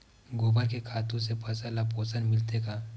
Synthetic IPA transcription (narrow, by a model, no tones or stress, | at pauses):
ɡoːbaɾkekʰaːt̪ũsepʰɐsalapoːsənmɪlt̪ekaː